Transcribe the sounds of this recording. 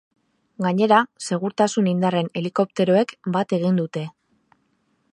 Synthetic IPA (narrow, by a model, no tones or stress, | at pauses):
ɡaɲe̞ɾase̞ɣ̞uɾt̪asunind̪are̞ne̞liko̞p̚t̪e̞ɾo̞e̞kbat̪e̞ɣ̞ind̪ut̪e̞